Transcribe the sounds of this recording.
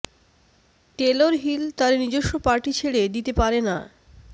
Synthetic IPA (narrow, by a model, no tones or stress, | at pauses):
ʈeloɾɦilt̪aɾnid͡ʑoʃːopaɾʈit͡ɕʰeɭed̪it̪epaɾena